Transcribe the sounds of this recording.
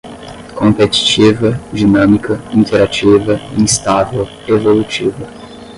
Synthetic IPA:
kõmpet͡ʃi̥t͡ʃivɐd͡ʒinɐ̃mikɐĩnt̪ʰeɾat͡ʃivɐ̰̃ĩst̪avew | evolut͡ʃivɐ

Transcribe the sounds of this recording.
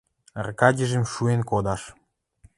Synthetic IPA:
rkɑdʲĕʒĕmʃuenkod̪ɑʃ

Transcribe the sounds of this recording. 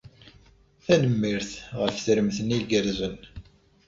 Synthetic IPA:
θænəmːiɾθʁəfθɾəmθəniɡəɾzən

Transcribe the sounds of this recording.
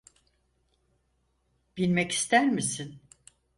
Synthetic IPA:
b̥ilʲmɛci̥st̪ʰæɾmisin

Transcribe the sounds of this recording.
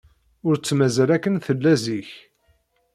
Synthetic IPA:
ʊɾt͡sːmæzælækːənθəlːæziç

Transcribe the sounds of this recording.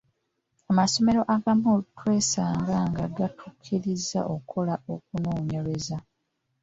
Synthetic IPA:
amaso̞me̞ɾo̞ʔaɡamolutwe̞ːsaːŋɡaŋɡaɡatʰukʰːiɾizːa̰ʔo̞kʰo̞lao̞k̚unoːɲeβeza

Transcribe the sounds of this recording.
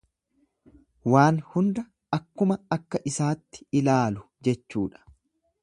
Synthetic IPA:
waːnhʊnd̪ɐ | ɐkːʊmɐɐkːɐʔɪsaːt̪ːɪ̥ɪlaːlʊ | d͡ʒɛt͡ʃːuːᶑɐ̥

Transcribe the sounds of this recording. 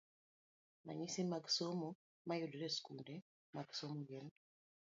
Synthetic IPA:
ma̰ɲisimaɡsomo | majudɾɛskundɛ | maɡsomɔɡɛl

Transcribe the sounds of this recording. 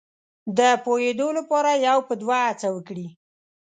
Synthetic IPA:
d̪əpojed̪olapɑɾajawpəd̪waat͡sawəkɽi

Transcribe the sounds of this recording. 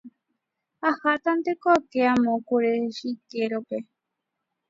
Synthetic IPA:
ahat̪ant̪ekokeamõkuɾeʃikeɾope

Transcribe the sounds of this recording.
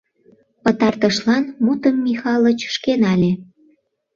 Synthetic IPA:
pət̪ɑrt̪əʃlɑnmut̪əmːixɑlət͡ɕʃkenɑlʲe

